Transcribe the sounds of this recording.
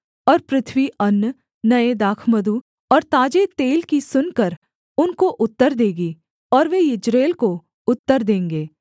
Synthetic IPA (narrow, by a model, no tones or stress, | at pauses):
ɔːɾpɾɪt̪ʰʋiɐnː | nɐed̪aːkʰməd̪u | ɔːɾt̪aːd͡ʒet̪eːlkisʊnkəɾ | ʊnkoʔʊt̪ːəɾd̪eːɡiː | ɔːɾʋeɪd͡ʒɾeːlko | ʊt̪ːəɾd̪ẽːŋɡeː